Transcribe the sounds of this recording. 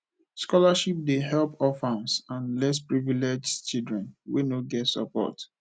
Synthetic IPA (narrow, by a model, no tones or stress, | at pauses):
skɔlaʃip̚deɦɛlpɔfãnsãnlɛspɹiviled͡ʒt͡ʃidɹɛ̃nwḛnoɡɛtsə̰pɔ̰t